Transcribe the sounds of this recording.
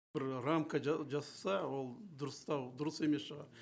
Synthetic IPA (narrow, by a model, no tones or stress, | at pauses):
bɪɾramkad͡ʒɑsɑ̥sɑwolˠd̪ʊɾəst̪ɑwd̪ʊɾəsemesʃəʁɑɾ